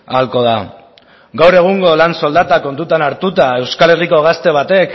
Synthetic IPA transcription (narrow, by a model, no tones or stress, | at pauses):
alko̞ð̞a | ɡawɾe̞ɣ̞uŋɡo̞lanso̞ld̪at̪ako̞nt̪ut̪anaɾt̪ut̪ae̞wskale̞riko̞ɣ̞ast̪e̞β̞at̪e̞k